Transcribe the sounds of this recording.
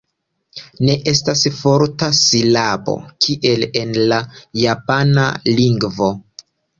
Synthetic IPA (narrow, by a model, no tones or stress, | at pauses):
ne̞ʔe̞stasfo̞ɾtasilabo̞̰kʰiʔe̞le̞nlajapana̰liŋɡvo̞